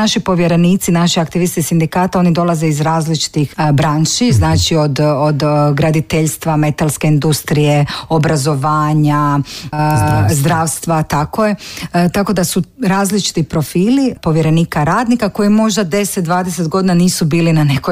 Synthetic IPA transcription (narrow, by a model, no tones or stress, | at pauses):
naʃipo̞ʋjeɾe̞niːt̪sinaʃiakt̪iʋist̪isind̪ikaːt̪ao̞nid̪o̞lˠaze̞izɾaːzlit͡ʃi̥t̪ixbɾaːnʃiznaːt͡ʃio̞d̪od̪ɡɾad̪it̪eʎst̪ʋame̞t̪alˠske̞ind̪ust̪ɾije̞o̞bɾazo̞ʋaːɲa | zd̪ɾaːʋst̪ʋat̪akoje̞t̪ako̞d̪asuɾaːzlit͡ʃi̥t̪ipɾo̞fiːlipo̞ʋje̞ɾe̞niːkaɾaːd̪nikako̞jimo̞ʒd̪ad̪e̞set̪̚d̪ʋaːd̪ese̞t̪ɡo̞d̪inaniːsubiːlinanekoj